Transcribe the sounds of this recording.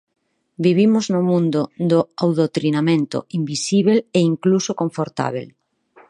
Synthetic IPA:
biβimoznʊmũnd̪ʊd̪ʊawðot̪ɾinamẽnt̪ʊ̰imbisiβeleiŋklusokoɱfoɾt̪a̰β̞ḛl

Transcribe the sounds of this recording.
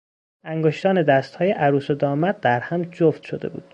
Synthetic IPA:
æŋɡoʃt̪ɒːned̪æst̪hɒːje̞ʔæɾuːsod̪ɒːmæd̪̚d̪æɾhæmd͡ʒoft̪ʃod̪e̞̰bṵːd̪̥

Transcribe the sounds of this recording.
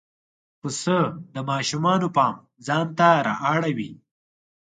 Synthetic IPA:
xusəd̪əmɑːʃumɑːnopɑːm | zɑːnt̪aɾɑ̰ʔɑːɽawi

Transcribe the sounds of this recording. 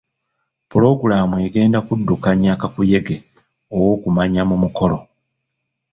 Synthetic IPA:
pulo̞ɡulaːmueɡe̞ːndakudːukaɲaːkakuje̞ɡe̞ | owo̞ːkumaɲamumuko̞lo̞

